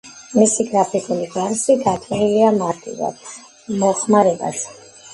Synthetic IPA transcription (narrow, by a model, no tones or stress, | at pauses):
misiɡɾapʰikʼuliɡaɾsiɡat̪ʼɛɾiliamaɾt̪ʼḭva̰d̪̥ | mɔχmaɾɛba̰s